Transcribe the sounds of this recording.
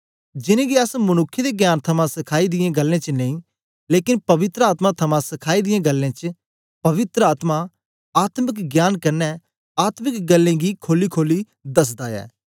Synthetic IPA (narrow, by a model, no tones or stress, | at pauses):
d͡ʒɪnẽːɡiəsmʊnʊkʰːjed̪eɡjaːnt̪ʰɐmãsɪkʰaːid̪ɪjẽɡəlːẽt͡ʃənə̃ĩː | leːkɪnpɐʋɪt̪ɾəaːt̪mãt̪ʰɐmãsɪkʰaːid̪ɪjẽɡəlːẽːt͡ʃə | pɐʋɪt̪ɾəaːt̪ma | aːt̪mɪkɡjaːnkɐɾnɛ | aːt̪mɪkɡəlːẽːɡikʰoːlikʰoːli | d̪ɐsd̪aːɛ̰ː